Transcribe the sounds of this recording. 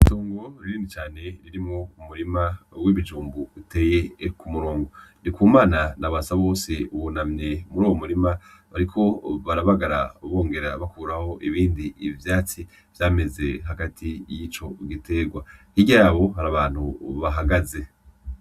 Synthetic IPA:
itoːŋɡo̞ɾiɾiːndit͡ʃaːne̞ɾiɾimŋoumuɾimawiβid͡ʒuːmbuute̞ːje̞kumuɾoːŋɡonikuːmaːnanaβasaβo̞ːseuwonamɲe̞muɾuːwomuɾima | βaɾikʰo̞βaɾaβaɡaɾa̰βo̞ːŋɡe̞ɾaβakuːɾaho̞ʔiβiːndiivjaːt͡si | vjaːme̞ze̞ɦaɡatʰijiːt͡ʃo̞ɡitʰe̞ɡwahiɟaːβo̞ɦaɾaβaːn̥huβaɦaɡaze̞

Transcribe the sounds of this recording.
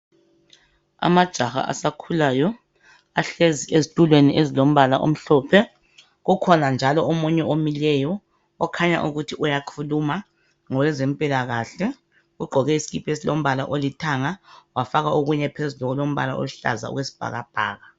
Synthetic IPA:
a̰mad̥ʒ̥ʱaxa̰ʔa̰sakʰulajɔ | aɬeziezitʼulweniʔezilom̩βala̰ʔo̰m̩ɬɔːpʰɛ | ɣukʰɔnand͡ʒʱalɔomuɲɛomilɛjɔː | kʰaɲa̰ʔuɣutʰiʔujakʰuluma | ŋɔlɛzempʼilaɣaɬɛ | ɣuɡ͡ǃʱɔɣɛisiɣipʰesilom̩βalaʔolitʰaŋawafaɣaoɣuɲɛpʰezulɔɣɔlom̩βa̰la̰ʔo̰ɬa̰za̰ṵɣwesi̥b̥ʱa̰ɣa̰b̥ʱa̰ːɣa

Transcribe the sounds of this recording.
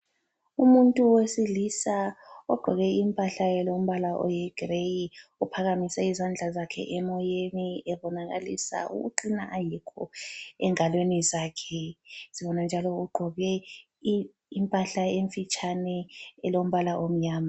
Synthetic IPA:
umuntʼuwesilisaɔɡ͡ǃʱɔɣɛimpʼaɬaɛlom̩βalaʔɔ̰jɛɡ̥rejiupʰaɣamisɛizand͡ɮʱazakʰɛ̰ʔɛmɔjeniɛβɔnaɣa̰lḭsa̰ʔṵɣuǃinaʔajikʰɔɛ̰ŋalwenizaːkʰɛziβɔnand͡ʒʱalɔuɡ͡ǃʱɔɣɛ | impʼaɬaeɱfit͡ʃʼanɛɛlom̩βalaʔom̩ɲaːma

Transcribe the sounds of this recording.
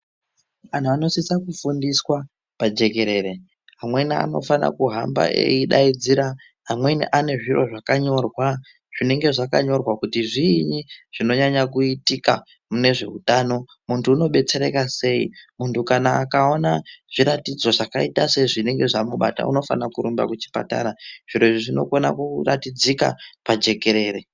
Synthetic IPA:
an̤uano̞sisakufundiswa | pad͡ʒe̞ke̞ɾe̞ːɾe̞ | ɦamwe̞nia̰no̞̰fana̰kuɦamba̰ʔḛiɗa̰id͡ziɾa | ɦamwe̞nḭʔane̞ʐiro̞ʐakaɲo̞rwa | ʐ̥ine̞ŋɡe̞ʐaka̰ɲo̞rwakutiʐiɲiʐ̥ino̞ɲaɲakuitika | mune̞ʐe̞utaːno̞ | muntʰuːno̞ɓe̞t͡se̞ɾe̞kase̞ḭmuntʰukanaːkao̞naʐ̥iɾatid͡zo̞ʐakaitase̞iʐine̞ŋɡe̞ʐamuɓa̰ta̰ṵno̞fanakuɾumba̰kut͡ʃi̥pa̰ta̰ɾaʐ̥iɾo̞ʐiʐino̞̰ko̞na̰kuratid͡zika̰pad͡ʒe̞ke̞ɾe̞ːre

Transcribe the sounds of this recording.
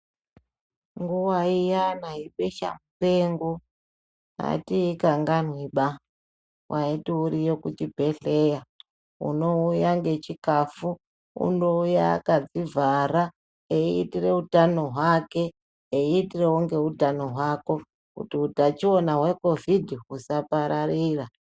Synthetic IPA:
ŋɡuwaijanaɦiɓeʃa̰mupe̞ŋɡo | ɦa̰tiikaŋɡanwiɓa | wʔaitiuɾijokut͡ʃibʱe̞ɬeja | ṵno̞ujaŋɡe̞t͡ʃikafu | ṵno̞uja̰kad͡zivaɾa | eiitire̞utanoɦwake̞ | eiːtire̞oŋɡe̞utanoɦwako̞ | kṵtiutat͡ʃio̞naɦwe̞ko̞vidʱiɦusapaɾariːra

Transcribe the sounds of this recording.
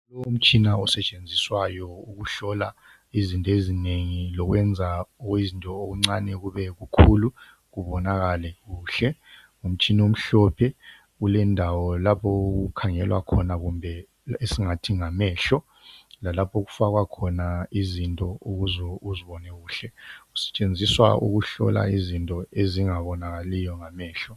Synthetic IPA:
lɔum̩t͡ʃʼinaɔsɛt͡ʃʼend͡zʱiswajɔuɣuɬɔla | izintʼɔezineŋilɔɣwɛnd͡zʱaɔwizintʼɔːɣuŋ͡ǀanɛɣuβɛɣukʰulu | ɣuβɔnaɣalɛɣuːɬɛ | um̩t͡ʃʼinom̩ɬɔpʰɛ | ɣulɛndʱawɔlapʰɔɣukʰaŋɛlwʔa̰kʰɔnaɣumbʱɛ | esiŋatʰiŋamɛːɬɔ | lalapʰoɣufaɣwakʰɔnaizintʼɔuɣuzɔuziβɔnɛɣuːɬɛɣu̥sɛ̥t͡ʃʼend͡zʱiswa̰ṵɣuɬɔ̰la̰izintʼɔeziŋaβɔnaɣalijɔŋamɛːɬɔ

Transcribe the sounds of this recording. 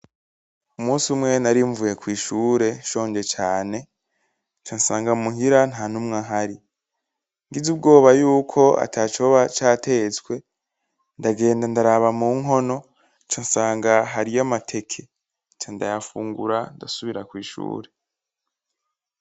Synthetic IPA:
umuːsiumŋe̞naɾiɱvuje̞kwiːʃuːɾe̞ʃo̞ːɲd͡ʒe̞t͡ʃaːne̞ | t͡ʃansaːŋɡamuɦiɾan̥haːn̥umŋaɦaɾi | ŋɡizub̚ɡo̞ːβajuːkʰo̞a̰tʰat͡ʃoβat͡ʃaːtʰe̞t͡skwe̞ | ndaɡe̞ːndandaɾaβamuːŋɦo̞no̞ | t͡ʃansaːŋɡaɦaɾijamatʰe̞kʰe | t͡ʃanda̰jafuːŋɡuɾandasuβiɾakwiːʃṵːɾe̞

